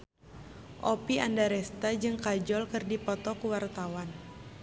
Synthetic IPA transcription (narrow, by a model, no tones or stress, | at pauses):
ʔopiandaɾɛst̪ad͡ʒɨŋkad͡ʒɔlkɨrdipɔt̪ɔkuwart̪awan